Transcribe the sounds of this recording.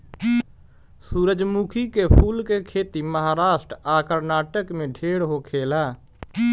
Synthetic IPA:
suːɾəd͡ʒmuːkʰikepʰuːlkekʰeːt̪iməɦaːɾaːʃʈɾaːkəɾnaːʈəkmẽɖʱeːɽɦokʰeːlaː

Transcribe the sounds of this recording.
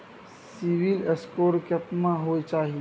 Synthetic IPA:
siʋileskoːɾkəp̪mãɦoit͡ʃaːɦi

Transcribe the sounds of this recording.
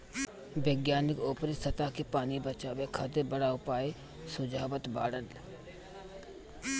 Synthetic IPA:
ʋeɡjaːnɪkoːpɾɪsət̪aːkepaːnibət͡ʃaːʋekʰad̪ebəɽaʊpaːe | sʊd͡ʒaːʋət̪ba̰ːɽəl

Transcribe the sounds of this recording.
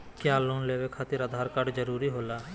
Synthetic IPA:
kjaːloːnleːʋekʰaːt̪ɪɾəd̪ʱaːɾkəɖd͡ʒəɾuːɾiɦoːlaː

